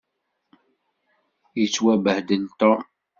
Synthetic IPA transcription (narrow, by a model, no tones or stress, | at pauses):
jət͡sːwæbəhd̪ənt̪ɔm